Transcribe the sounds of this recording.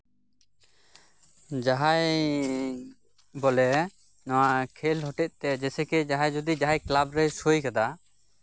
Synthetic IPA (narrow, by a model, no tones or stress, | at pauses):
d͡ʒaɦaj | bɔlɛ | nɔwakʰɛlɦɔʈɛt̪̚ˀt̪ɛd͡ʒɛsɛkɛd͡ʒaɦajd͡ʒɔd̪id͡ʒaɦajklabɾɛsojkad̪a